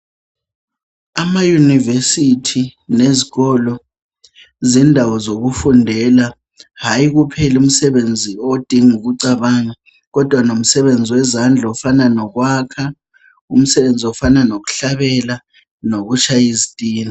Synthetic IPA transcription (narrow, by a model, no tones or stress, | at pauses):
amajunivesitʰineziɣɔlɔ | zindʱawɔzok̬ufundʱɛla | ɦajik̬upʰɛlum̩sɛɓend͡zʱiod̥ʱiŋuɣ̬uǀaɓaŋa | ɣɔd̥ʱwanom̩sɛɓend͡zʱiwɛzand͡ɮʱaɔfananɔk̬waːkʰa | um̩sɛβend͡zʱiɔfananok̬u̥ɬaɓɛla | nok̬ut͡ʃʰajizid̥ʼʱiːni